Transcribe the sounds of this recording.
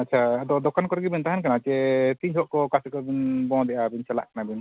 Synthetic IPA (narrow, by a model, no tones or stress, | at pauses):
at̚ːt͡ʃʰad̪ɔd̪ɔkankɔɾɡibint̪aɦɛnkanat͡ʃɛt̪iɲʰɔʔkɔkasɛkɔbinbɔ̃d̪ɛʔabint͡ʃala̰ʔkanabin